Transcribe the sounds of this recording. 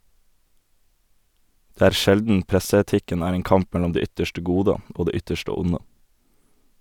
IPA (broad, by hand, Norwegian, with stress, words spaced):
ˈdeː ˈæːɾ ˈʃɛldn̩ ˈpɾɛsəɛˌtɪkən ˈæːɾ ˈeːn ˈkɑmp ˈmɛlɔm ˈdeː ˈʏtəʃʈə ˈɡuːdə ˈoː ˈdeː ˈʏtəʃtə ˈʊnə